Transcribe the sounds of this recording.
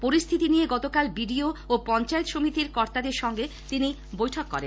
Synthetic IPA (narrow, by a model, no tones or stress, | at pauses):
poɾist̪ʰit̪inijeɡɔt̪okalbiɖioopɔnt͡ɕaet̪ʃomit̪iɾkɔɾt̪ad̪eɾʃɔŋɡe | t̪ini | bojʈʰokːɔɾen